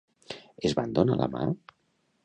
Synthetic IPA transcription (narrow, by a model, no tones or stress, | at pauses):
ezβand̪onalʔə̰ma̰